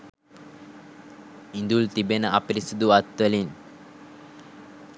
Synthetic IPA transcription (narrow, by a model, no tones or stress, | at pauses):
ind̪ult̪ibenəʔapiɾisud̪uat̪ʋəlin